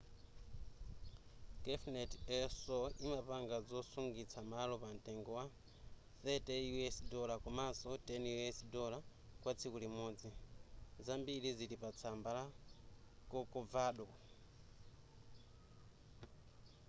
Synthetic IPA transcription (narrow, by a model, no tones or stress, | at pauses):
ɡ̥ɛfnɛtɛsɔimapaŋɡad͡zɔsuŋɡit͡sʰamalɔpantɛŋɡɔwa | θɛtɛjuɛsdɔlakɔmasɔtɛnjuɛsdɔla | kwat͡sʰikulimɔːd͡zizambiɾiziɾipat͡sʰambala | kɔkɔvaːɗɔ